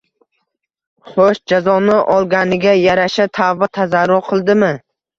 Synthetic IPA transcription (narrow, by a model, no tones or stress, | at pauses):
χoʃd͡ʒazɒnɪʔɒlˠɡʲanɪɡʲajaɾaʃat̪ʰavat̪ʰazaɾːʊɾqʰɨlˠd̪ɪmɪ